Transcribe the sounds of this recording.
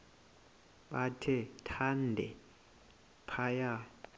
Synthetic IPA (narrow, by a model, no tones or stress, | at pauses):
ɓatʰɛtʰandʱɛ̰ | pʰaja